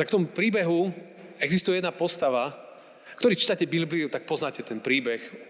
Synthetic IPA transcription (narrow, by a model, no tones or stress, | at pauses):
t̪akft̪ɔmupɾiːbɛɦu | ɛɡzist̪ujɛjɛd̪napɔst̪aʋa | kt̪ɔɾiːt͡ʃiːt̪acɛbilbliut̪ak̚pɔznaːcɛt̪ɛnpɾiːbɛx